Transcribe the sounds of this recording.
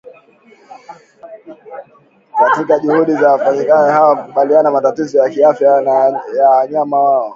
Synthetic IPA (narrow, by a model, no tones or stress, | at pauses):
katikaʄuhuɗizawafanikajɛhawakuɓalianamatatizɔjakiafjajawaɲamawaɔ